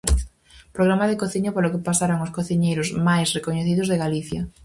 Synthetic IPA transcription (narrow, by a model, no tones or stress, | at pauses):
pɾoɣ̞ɾamaðekoθiɲopoɾlokepasaɾaŋoskoθiɲejɾozmajsrekoɲeθiðozðeɣaliθja